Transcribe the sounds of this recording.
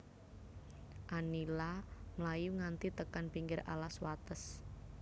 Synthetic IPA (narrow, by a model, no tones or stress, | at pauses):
ʔanilamlajuŋant̪it̪əkanpiŋɡɪɾa̰laswat̪əs